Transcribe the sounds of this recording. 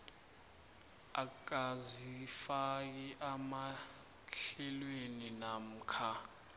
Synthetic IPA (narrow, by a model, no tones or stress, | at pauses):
ak̬azifak̬iʔama | ɬɛlweninam̩kʰa